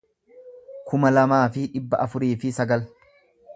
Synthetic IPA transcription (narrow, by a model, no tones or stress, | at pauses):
kʰʊmɐlɐmaːfɪᶑɪbːɐʔɐfʊɾiːfɪsɐɡɐl